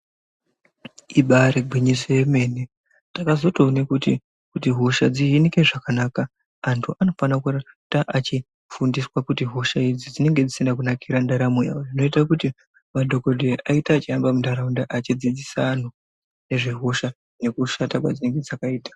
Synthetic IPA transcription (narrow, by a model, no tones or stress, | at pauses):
iɓaɾeɡʱwiɲisoje̞me̞ːne | takazo̞toːnekutḭ | kutiɦo̞ʃad͡ziɦinike̞ʐakanaːkaː | ntʰuʔano̞fanakura | taʔat͡ʃi | fundiswakutiɦo̞ʃaid͡zid͡zine̞ŋɡe̞d͡zisendak̬unakiɾandaɾamuja̰oʐino̞itakuti | madʱo̞ko̞dʱe̞ʔaitaːt͡ʃiambamundaɾaundaʔat͡ʃid͡zid͡zisan̤u | neʐeɦo̞ʃa | ne̞kuʃatakwa̰d͡zine̞ŋɡe̞d͡zakaiːtḁ